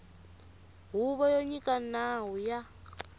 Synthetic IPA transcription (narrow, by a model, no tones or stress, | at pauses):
ɦuβɔjɔɲikanaɦuja